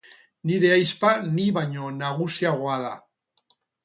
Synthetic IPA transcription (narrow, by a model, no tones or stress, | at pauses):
niɾe̞ajspaniβaɲo̞naɣ̞usiaɣ̞o̞aða